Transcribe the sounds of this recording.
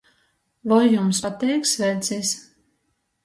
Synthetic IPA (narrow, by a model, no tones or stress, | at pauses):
vɔjːumsat̪ɛjksvɛlt̪sis